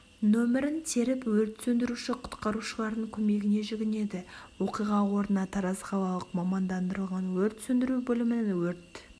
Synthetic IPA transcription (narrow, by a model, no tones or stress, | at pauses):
nɵmɪɾɪnt̪ʰe̞ɾɪpwɵɾt̪sɵnd̪ɪɾuʃɪqʰʊ̥t̪qɑɾuʃəlˠɑɾd̪əɴkʲʰɵme̞ɡʲɪne̞ʒɪɡʲɪne̞d̪ɪwo̞qijʁɑwo̞ɾd̪ənɑt̪ʰɑɾɑzχɑlˠɑlˠəqmɑmɑnd̪ɑnd̪əɾəlˠʁɑnwɵɾt̪sɵnd̪ɪɾubɵlɪmɪnwɵɾt̪